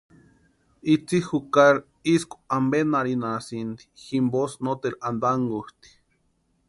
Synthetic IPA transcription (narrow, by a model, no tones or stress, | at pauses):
it͡sixukaɾ | isku̥ambenaɾinasind̪i̥ximbosnot̪eland̪aŋɡuht̪i̥